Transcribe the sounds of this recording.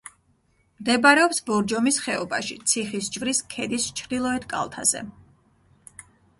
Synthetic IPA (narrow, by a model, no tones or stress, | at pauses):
md̪ɛbaɾɛɔpsbɔɾd͡ʒɔmisχɛɔbaʃḭt̪sʰiχisd͡ʒvɾiskʰɛd̪ist͡ʃʰɾd̪ilˠɔɛt̪kʼa̰lˠt̪ʰa̰z̥ɛ̰